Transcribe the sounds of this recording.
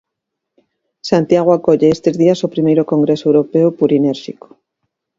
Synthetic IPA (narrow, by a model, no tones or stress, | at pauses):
sant̪jaɣ̞oakoʎeest̪ezðiasopɾimejɾokõŋɡɾesoewɾopeopuɾineɾʃiko̥